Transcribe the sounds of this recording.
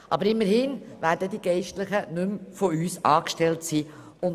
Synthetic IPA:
ʔɑ̰bəɾɪmːəɾhɪːnʋæːɾdədiɡ̥ɛɪʃtləχənʉmfoyːsɑːkʃtɛltsiː | ʊn

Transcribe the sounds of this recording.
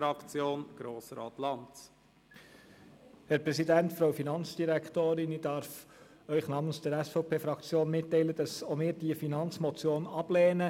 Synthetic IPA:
ɾɑkt͡sjoːnɡ̥ɾoːsəɾɑ̰ːt̪lɑnt | hɛɾpɾɛsidæntfɾoʊfinɑnt͡sd̥iɾækt̪oːɾɪnid̥ɑɾf | œʏχnɑːmənsd̥əɾæsfɔʊpʰeːfɾɑkt͡sjoːnmɪtːɛɪləd̥ɑsomɪːɾd̥iəfinɑnt͡smɔt͡sjoːnɑb̥lɛːnə

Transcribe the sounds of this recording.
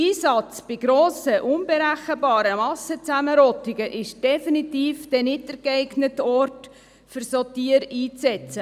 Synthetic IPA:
iːsɑt͡sb̥ɪɡ̥ɾoːsəʔʊnbeɾæχəbɑːɾəmɑsət͡sæməɾɔt̪iɡəʔɪʃd̥ɛfinitiːfd̥ɛnɪtəɾɡɛɪɡnətɔrt | fʏɾsɔtiːəɾiːt͡sɛt͡sə

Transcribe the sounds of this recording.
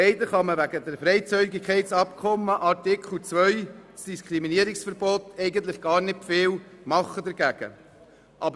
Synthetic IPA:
ɛɪdəχɑməʋæɡəd̪əɾfɾɛɪt͡syɪɡɪkʰːɛɪt͡sɑpkʰɔmːəʔɑtɪkʰl̩t͡svœʏsd̥iskʰɾiminiəɾɪksfəɾbotɛɪɡənt̪lɪχɡ̥ɑːɾnɪtfɪːlmɑχːəd̪ɛɾɡ̥æɡ̥ə̰ | ʔɑbə

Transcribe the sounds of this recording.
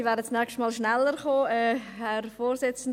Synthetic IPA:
ivɛːɾət͡snɛkʃtmɑːlʃnɛlːəɾχoːɛːhɛɾfoːɾsɪt͡sn̩

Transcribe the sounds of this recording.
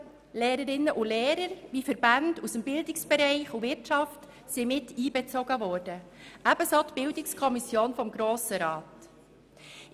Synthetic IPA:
leːɾəɾɪnːəʔʊleːɾəɾʋifəɾbandusəmbɪldɪksb̥ɛɾɛɪχuvɪɾtʃɑft | simɪtiːbɛt͡soɡəvɔːɾd̥əʔæb̥əsoːtb̥ɪldɪkskʰɔmisjoːnfɔmɡɾoːsəɾɑːt

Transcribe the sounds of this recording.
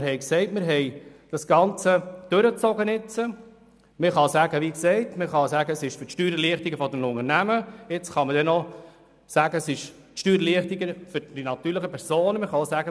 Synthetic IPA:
ɾɦɛɪksɛɪtmɪɾɦɛjd̥ɑsɡ̥ɑnt͡səd̥øɾət͡sɔɡənɪt͡sə | məχɑsæɡəʋiksɛɪtməχɑsæɡəsɪʃfʏɾtʃtyːɾəliəχt̪iɡəfɔd̪ɛnʊŋəɾnæməɪt͡sχɑmədɛnɔ | sæːɡəsɪʃ | tʃtyːɾliəχt̪iɡəfʏɾd̥inɑt̪yːɾləχəpʰɛɾsoːnməχɑosæɡə

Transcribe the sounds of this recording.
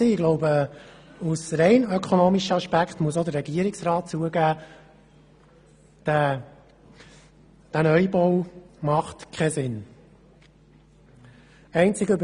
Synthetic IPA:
iːɪɡ̥lɔʊbə | usɾɛɪnœkʰonoːmiʃəɑʃpækχtmuəsod̪əɾɛɡiəɾɪksrɑːt̚t͡suəɡæː | æ | d̥ænœʏbɔwmɑχt̪kʰɛsɪn | ɛɪnt͡sɪɡøb

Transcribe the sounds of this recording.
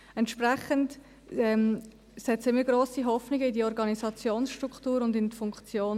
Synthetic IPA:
ɛntʃprɛχənt | ɛm | sɛtt͡səəɪmiɡroːsiɦɔfnɪɡəɪdiɔɾɡɑnizɑt͡sjoːnsʃtɾukχtuːɾʊndɪntfʊŋkt͡sjoːn

